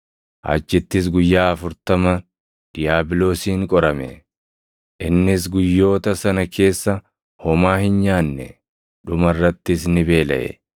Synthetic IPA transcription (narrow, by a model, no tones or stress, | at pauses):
ʔa̰d͡ʒːɪt̪ːɪs̬ɡʊjːaːɐfʊɾt̪ɐmɐ | d̪̥ɪjaːbɪlo̞ːsiːŋkʼɔɾɐmɛ̰ | ʔɪnːɪs̬ɡʊjːo̞ːt̪ɐsɐnɐkʰe̞ːsːɐ | hɔmaːhɪnɲaːnːɛ | ᶑʊmɐrːɐt̪ːɪsnɪbe̞ːlɐ̰ʔɛ̰